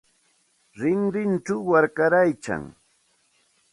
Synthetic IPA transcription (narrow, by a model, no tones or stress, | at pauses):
ɾɪŋɾɪnt͡ʃawːaɾkaɾajt͡ʃa̰ŋ